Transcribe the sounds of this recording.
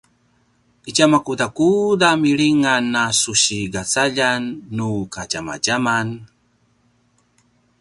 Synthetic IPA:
icamakudakudamiɾiŋanːasuɕiɡat͡saʎanːukad͡ʒama̰ɟaman

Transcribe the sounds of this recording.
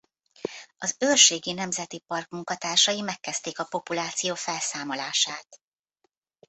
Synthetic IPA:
ɒzøːrʃeːɡinɛmzɛt̪ipɒrk̚muŋkɒt̪aːrʃɒjimɛkːɛst̪eːkɒpo̞pulaːt̪sijoːfɛlsaːmo̞laːʃaːt̪

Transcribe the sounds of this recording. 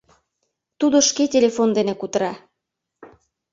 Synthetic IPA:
t̪ud̪oʃketʲelefond̪enekut̪əɾɑ

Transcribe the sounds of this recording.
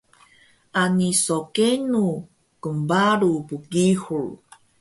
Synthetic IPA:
ʔanisokenu | kəmbaɾupuɡihuɭ

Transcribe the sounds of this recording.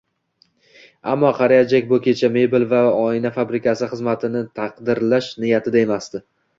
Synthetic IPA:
a̰mːɒqʰɑɾijad͡ʒakʲbʊkʲʰe̞t͡ʃʰame̞bɪlvaɒɪnafabɾɪkʲʰasɪχɨzmat̪ʰɪnɪt̪ʰɑqd̪ɪɾlaʃnɪjat̪ʰɪd̪ae̞mast̪ɪ

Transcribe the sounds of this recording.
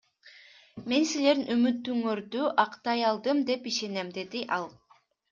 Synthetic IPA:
me̞nsile̞ɾnymyt̪ːyŋøɾd̪yʔɑqt̪ɑjɑlˠd̪ɯmd̪e̞piʃe̞ne̞md̪e̞d̪iʔɑlˠ

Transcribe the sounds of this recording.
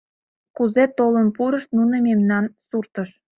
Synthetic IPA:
kuzet̪olənpuɾəʃt̪nunəmemnɑnsurt̪əʃ

